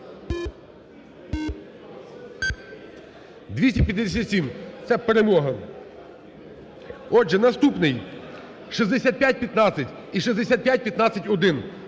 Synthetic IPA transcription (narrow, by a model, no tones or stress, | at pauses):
d̪ʲʋʲisʲtʲipʲjɐd̪ːʲesʲat̪ʲsʲimt̪sɛpeɾemɔɦɐ | ɔʒɛnɐst̪upnɪj | ʃizd̪esʲat̪̚pʲjat̚ʲpʲjɐt̪nɑt͡sʲːɐtʲ | iʃizd̪esʲat̪̚pʲjat̚ʲpʲjɐt̪nɑt͡sʲːɐtʲɔd̪ɪn